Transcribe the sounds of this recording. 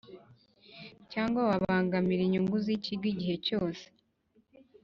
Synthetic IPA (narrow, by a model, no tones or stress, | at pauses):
caːŋɡwawaβaːŋɡamiɾiɲuŋɡuziciɡwiɟihe̞co̞ːse̥